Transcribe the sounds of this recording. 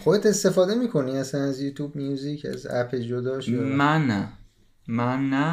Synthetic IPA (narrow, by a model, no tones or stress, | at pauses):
xod̪et̪ʰe̞st̪e̞fɒːd̪e̞miːkʰo̞niæsænæzjuːt̪ʰuːb̚nijuzicʰæ̰zæ̰pʰeld͡ʒod̪ɒːʃmænæ | mænːæ